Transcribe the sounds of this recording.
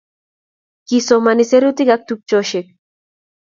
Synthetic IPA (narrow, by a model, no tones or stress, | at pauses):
kisomaniseɾut̪ikak̚t̪uk̚t͡ʃoʃek̚